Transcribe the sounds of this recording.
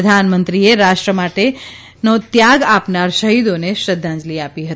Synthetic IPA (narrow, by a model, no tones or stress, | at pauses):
əd̪ʱanmənt̪ɾieɾaʃʈɾəmaʈe | not̪jaɡapnaɾʃəɦid̪oneʃɾəd̪ʱːãnd͡ʒliapiɦət̪i